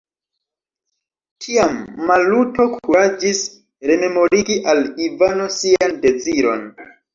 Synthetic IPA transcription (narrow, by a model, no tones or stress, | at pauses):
kʰiamːaluto̞kʰuɾad͡ʒis | ɾe̞me̞mo̞ɾiɡiʔalivano̞siande̞d͡ziɾo̞̰n